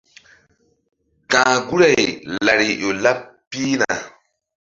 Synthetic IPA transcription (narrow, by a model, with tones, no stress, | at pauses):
kãː˨ɡu˦ɾa˨jla˨ɾi˨ʔo˨la˦pːi˦na̰˨